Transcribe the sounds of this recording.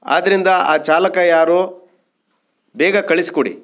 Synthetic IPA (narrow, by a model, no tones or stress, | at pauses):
a̰ːd̪ɐɾind̪ɐaːt͡ʃaːlɐkɐjaːɾuː | bɛːɡɐkɐɭisi̥koɽḭ